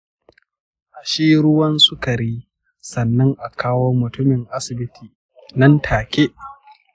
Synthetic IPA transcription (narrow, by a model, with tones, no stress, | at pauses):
ʔa˨ʃiː˦ɾʊ˦wɐ˦nsʊ˦kɐ˨ɾiː˦ | sɐ˨nːɐ˦ŋʔa˨kʰaː˦woː˦mʊ˨tʊ˦mɪ˨ŋʔa˦sɪ˨bɪ˦tʰiː˨ | nɐ˦ntʰaː˨kʲeː˦ʔ